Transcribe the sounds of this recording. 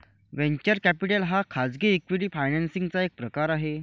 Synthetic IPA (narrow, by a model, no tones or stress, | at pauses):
ʋẽɲt͡ɕəɾkæpiʈelɦakʰad͡zɡiːikʋiʈiːfajnɛnsiŋɡt͡saek̚pɾəkaɾaɦe